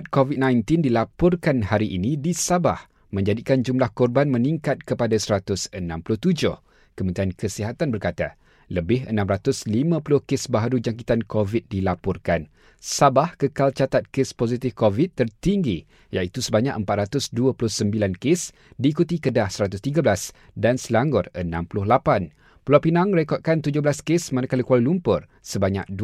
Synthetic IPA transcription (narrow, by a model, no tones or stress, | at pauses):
t̪̚kovid̪̚nãjnt̪ɪndilapɔrkanhaɾiʔinĩdisabah | mə̃ɲd͡ʒadikand͡ʒumlahkɔrbanmə̃nĩŋkat̪̚kəpadasəɾat̪ʊsənãmpulʊht̪ud͡ʒʊh | kəmə̃nt̪ɾiankʰəsiɦat̪anbərkat̪a | ləbɪɦə̰nãmɾat̪ʊslimãpulʊhkesbaɦaɾud͡ʒaŋkit̪ankovit̪̚dilapɔrkan | sabahkəkalt͡ʃat̪at̪̚kespozit̪ɪfkovit̪ːərt̪iŋɡi | ja̰it̪usəbaɲaʔəmpat̪̚ɾat̪ʊsduapulʊhsəmbilankes | diːkut̪ikədahsəɾat̪̬ʊst̪iɡablas | dansəlaŋɡʊrə̰nãmpulʊhlapan | pulawpinãŋrekɔt̪̚kant̪ud͡ʒʊhblaskesmanãkalikwalulumpʊr | səbaɲa̰k̚du